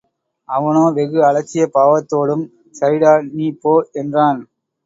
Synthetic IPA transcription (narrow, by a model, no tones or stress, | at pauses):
ɐʋɐnoːʋɛɣɯɐɭɐt͡ʃːɪjɐpaːʋɐt̪ːoːɽɯm | sɐɾɪɽaːniːpːoːʔɛndraːn